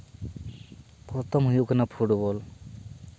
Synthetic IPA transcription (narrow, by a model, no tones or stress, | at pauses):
pɾɔt̪ʰɔmɦujukanapʰuʈbɔl